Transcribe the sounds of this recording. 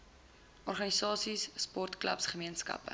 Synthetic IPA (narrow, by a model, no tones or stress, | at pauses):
ʔɔrχɐnisɑːsisːpɔrtklɐ̰psχəmiənskɐ̰pə̰